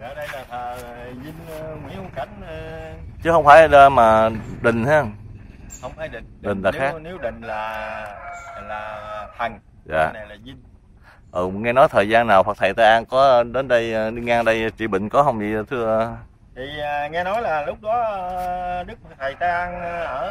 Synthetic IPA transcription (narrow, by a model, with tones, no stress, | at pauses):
kaː˨˩ɗə˧jlaː˨˩t̪ʰəː˨˩˨zi˧ŋ˧wḭ˧˦˨ka˨˩jŋ̟ə˧t͡ɕɨ˨˦hə˧wŋ͡mfaː˧˩jə˧maː˨˩ɗï˨˩ŋ̟h̪a˧˦˧ŋ͡mhə˧wŋ͡mfaː˨˦ɗi˨˩ŋɗï˨˩ŋ̟laː˨˩xa˦˥ne˨˦wɗï˨˩ŋ̟laː˨˩ | laː˨˩t̪ʰə˨˩ŋ | za̰ː˨˩na˨˩laː˨˩zi˧ŋ | ʔə˨˩ŋɛ˧nɔ˨˦jt̪ʰəː˨˩jzaː˧nːaː˨˩wha˨˩k̚t̪ʰə˨˩jt̪aː˧ʔaː˧nkɔ˨˦˧ɗe˨˦nɗə˧jə˨˩ɗi˧ŋɛ˧ɗə˧jt͡ɕḭ˧˨ɓï˧˨ŋ̟kɔ˨˦ɦə˧wŋ͡mvḭ˧˨t̪ʰɨ˧ə˧ | t̪ʰiː˨˩ŋɛ˧nɔ˨˦jlaː˨˩lʊ˦˥k͡p̚ɗɔ˨˦˧ɗɨ˦˥k̚m̚˨˩t̪ʰə˨˩jt̪aː˧ʔa˧n˧ʔəː˧˩